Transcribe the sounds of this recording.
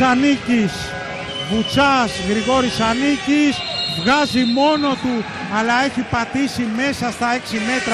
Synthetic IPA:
ɐnicis | vut͡sɐzɣɾiɣo̞ɾisɐnicisvɣɐzimo̞no̞t̪u | ɐlɐe̞çipɐt̪isime̞sɐst̪ɐe̞ksime̞t̪ɾɐ

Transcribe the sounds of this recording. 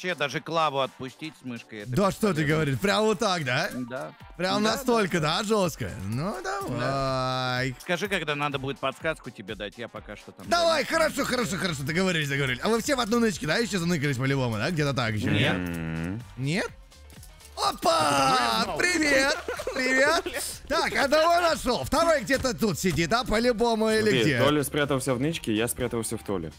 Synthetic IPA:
t͡ɕed̪aʐɨklˠavʊɐt̪̚pʊsʲtʲitʲsmɨʂkəjɛd̪aʂt̪ot̪ɨɡəvɐɾʲit̪ʲpɾʲamvot̪ːakd̪ad̪apɾʲamnɐst̪o̞lʲkəd̪aʐo̞st̪kə̰nud̪ɐva | jskɐʐɨkɐɡd̪anad̪əbudʲɪt̪̚pɐt̪skaskʊtʲɪbʲed̪atʲjapɐkaʂt̪ot̪amd̪ɐvajxəɾɐʂoxəɾɐʂoxəɾɐʂ̬ot̪ɨɡəvɐɾʲilʲɪsd̪ɨɡəvɐɾʲilʲɪɐvɨfsʲevɐd̪nonɨt͡ɕkʲɪd̪ajɪɕːozɐnɨkəlʲɪs̬ʲpəlʲɪboməd̪aɡdʲet̪ət̪a̰kɪɕo̰nʲet | nʲet̪̚ | opa | pɾʲɪvʲet̪̚pɾʲɪvʲet̪̚t̪akɐd̪ɐonɐʂolˠft̪ɐɾojɡ̚dʲet̪ət̪ut̪sʲɪdʲid̪apəlʲʊbo̞mʊilʲɪɡ̪ʲet̪olʲɪspʲɾʲat̪əvəlˠsʲavnɨt͡ɕkʲɪjaspʲɾʲat̪əvəlˠsʲoft̪o̰lʲɪ̰

